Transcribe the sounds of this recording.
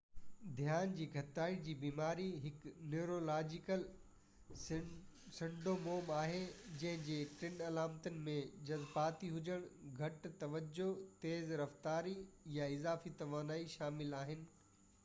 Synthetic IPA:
d̪ʱjaːnd͡ʑiːɡʱɐt̪aːid͡ʑiːbiːmaːɾiɦɪkneːɾoːlaːd͡ʑɪkəl | sɪ̃ɳɖomoːmaːɦed͡ʑɐ̃ɦɪ̃d͡ʑeːʈɪnɐlaːmt̪ənɪ̆mẽd͡ʑɐzbaːt̪iɦʊd͡ʑəɽ̃ɡʱɐʈt̪ɐʋəd͡ʑot̪eːzɾɐft̪aːɾijaɪzaːfit̪ɐʋaːnaːiʃaːmɪlaːɦɪnɪ̆

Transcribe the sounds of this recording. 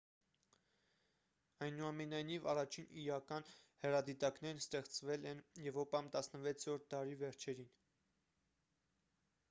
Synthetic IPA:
ɑjnuɑmɛnɑjnivɑrɑt͡ʃʰiniɾɑkɑnhɛɾɑd̪it̪ɑknɛɾnəst̪ɛχt͡svɛlɛnjɛvɾɔpɑmt̪ɑsnəvɛt͡sʰɾɔɾt̪̚ʰd̪ɑɾivɛɾt͡ʃʰɛɾin

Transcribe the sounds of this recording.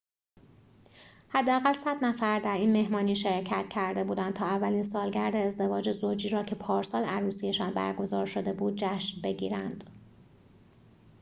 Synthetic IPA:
hæd̪ːeæɣælsæd̪næfæɾd̪æɾiːnme̞ɦmɒːniːʃe̞ɾcʰæt̪̚cʰæɾd̪e̞buːd̪æn̚t̪ʰɒːævːæliːnsɒːlɟæɾd̪eːzd̪e̞vɒːd͡ʒe̞zoːd͡ʒiːɾɒːcʰe̞pʰɒːɾsɒːlæɾuːsijeʃɒːnbæ̰ɾɡo̞zɒ̰ːɾʃo̞d̪e̞buːd̪̚d͡ʒæʃnbe̞ɟiːɾænd̪̥

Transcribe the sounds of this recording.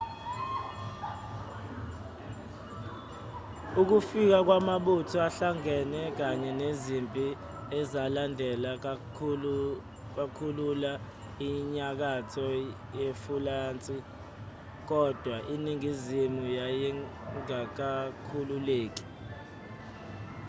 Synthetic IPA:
uk̬ufik̬ak̬wamaɓutʰɔaɬaŋɛnɛk̬aɲɛnezimpʼi | ɛzalandʱɛla | ɓakʰulula | iɲak̬atʰɔ | jefulaːnt͡sʼi | k̬ɔd̥ʱwaʔiniŋizimujajɛŋak̬akʰululeːk̬i̥

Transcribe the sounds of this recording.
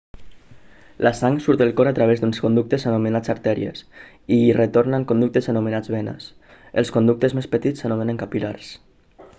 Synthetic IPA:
lʔasaŋsuɾt̪əlˠkɔɾat̪ɾaβ̞ezd̪unskond̪uk̚t̪ezənumenad͡zaɾt̪ɛɾḭḛs | iret̪oɾnaŋkond̪uk̚t̪ezənumenad͡zβenə̰s | eə̰lˠskond̪uk̚t̪əzmespət̪it͡sːənumeneŋkapilaɾs

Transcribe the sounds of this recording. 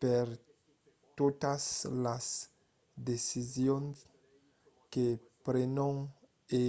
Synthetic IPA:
peɾ | t̪ot̪aslas | d̪esizjons | ke | pɾenõŋ | e

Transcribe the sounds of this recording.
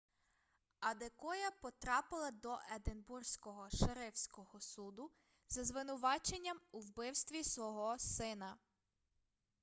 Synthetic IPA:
ɐd̪ekɔjɐpɔt̪ɾɑpɪlˠɐd̪ɔʔed̪enbursʲkɔɦɔʃeɾɪwsʲkɔhɔsud̪ʊ | zɐzʋɪnʊʋɑt͡ʃenʲːɐmuwbɪwst̪ʋʲisʋɔɦɔsɪnɐ

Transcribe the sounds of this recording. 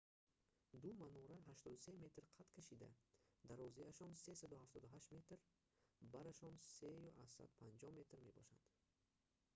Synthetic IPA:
d̪umanɔɾaɦaʃt̪ɔd̪use̞me̞t̪ɾqʰat̪kʰaʃid̪a̰d̪aɾɔziaʃɔnse̞sad̪uhaft̪ʰɔd̪uɦaʃt̪me̞t̪ɾ | baɾaʃɔnsejuʔassa̰d̪pʰand͡ʒɔhme̞t̪ɾme̞bɔʃa̰nd̪

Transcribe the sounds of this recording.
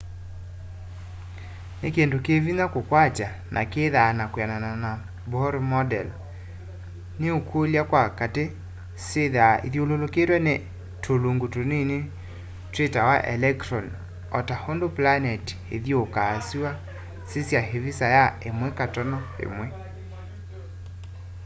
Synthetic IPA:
nekendokevinakokwat͡ʃa | nʔa̰keðaːnakweananana | bɔɾmɔdɛ̰l | neokwoljakwakate | seðaiðololoketwɛne | tʰoloŋɡotonene | tɾetawaʔɛ̰lɛktɾɔn | ɔtahondoplanɛti̥ḛðjokaːsiwa | sesjaɦevisajaemwɛkatɔnɔḛmwɛ

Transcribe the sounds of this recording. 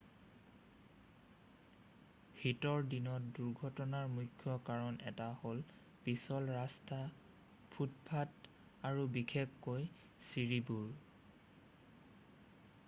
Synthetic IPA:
hitɔɹdinɔt̚duɹɡʱɔtɔnaɹmukʰːjɔkaɹɔnʔɛ̰tahol | pisɔlɹasta | pʰutpʰat | aɹubikʰeb̚koj | siɹibuɹ

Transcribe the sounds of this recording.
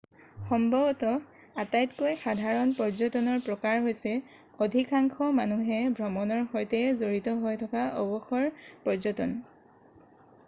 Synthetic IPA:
xɔmbʱɔbɔtɔ | atajtkojxadʱaɹɔnpɔɹzɔtɔnɔɹpɹɔkaɹɦojsɛ | odʱikaŋkʰɔmanuɦɛbʱɹɔmɔnɔɹxɔjtɛzoɹitɔɦojtʰɔkaɔ̰bɔxɔɹpɔɹzɔtɔn

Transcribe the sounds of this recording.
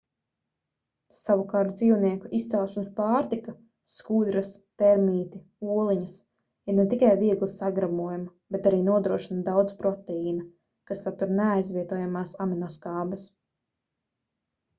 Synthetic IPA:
savukaːɾt̪̚d̪ziːwniɛkuʔist̪sɛlˠʃunspaːɾt̪ika | skud̪ɾast̪ɛɾmiːt̪i | uɔlˠiɲɐs | iɾnet̪ikajviɛɡlˠisaɡɾabuɔjamɐbet̪aɾiːnuɔd̪ɾuɔʃinad̪awd̪zpɾɔt̪ɛiːna | kasat̪uɾneajzvʲiɛt̪uɔjamaːsaminɔskaːbɐs

